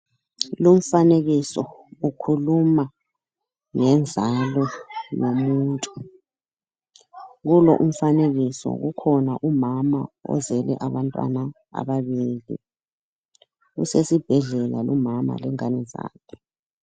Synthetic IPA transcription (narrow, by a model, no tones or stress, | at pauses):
lum̩faneɣisɔukʰuluma | ŋɛnd͡zʱalɔnomuːntʼu | ɣulɔ̰ʔum̩faneɣisɔ̰ɣukʰɔnaʔumamaɔ̰zɛlɛ̰ʔaβantʼwa̰na | a̰ɓaβiːlḭ | ɣṵsesib̥ʱɛɮɛlalumama̰lɛŋanɛza̰ːkʰɛ